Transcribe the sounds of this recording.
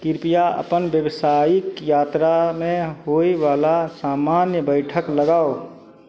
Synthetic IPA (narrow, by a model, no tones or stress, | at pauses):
kɪɾpijaə̰pənbjəʋsaikjaːt̪ɾamẽɦoiʋaːlasaːmaːnjəbəɪʈʰəkləɡaːo